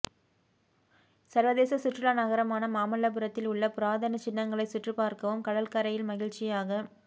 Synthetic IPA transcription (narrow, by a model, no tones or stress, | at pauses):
sɐɾʋɐðeːsɐsʊʈrɪlanɐɣɐɾɐmaːnɐmaːmɐɭːɐp̬ɯɾɐt̪ːɪlʊɭːɐpʊɾaːðɐnɐt͡ʃɪnːɐŋɡɐɭɐɪsʊʈrɯpaːɾkɐʋɯmkɐɽɐlkɐɾɐjɪlmɐɣɪɻt͡ʃɪjaːɣɐ